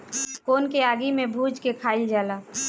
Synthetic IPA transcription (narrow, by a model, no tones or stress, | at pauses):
koːnkeaːɡimẽbʱuːd͡ʒkekʰaːɪld͡ʒaːlaː